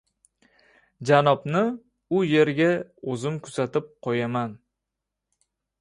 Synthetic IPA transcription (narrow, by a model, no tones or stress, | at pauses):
d͡ʒanɒbnɪ | ʊje̞ɾɡʲaɵzɪmkʰʊz̥at̪ɪp̚qʰojaman